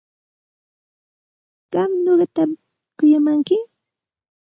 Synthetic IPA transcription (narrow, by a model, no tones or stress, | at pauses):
ɢ̥ɑmɲoɢɑt̪am | kʊjamaŋkɪ